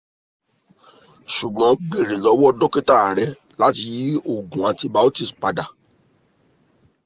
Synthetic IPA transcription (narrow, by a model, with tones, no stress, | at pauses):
ʃu˨ɡ͡bɔ̃˨˦ɡ͡be˨ɾẽ˨lɔ˨˧˦wɔ˦dɔ˦ke˦ta˦˨ɾɛ˧˦ | la˦ti˧˦o˦˨ɡũ˨ã˨ti˧ba˧˦o˦ti˦sk͡pa˧da˨